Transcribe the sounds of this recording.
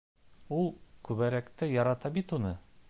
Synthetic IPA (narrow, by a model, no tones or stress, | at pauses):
ulˠkʉβæɾækt̪ɘjɑɾɑt̪ɑbit̪unɤ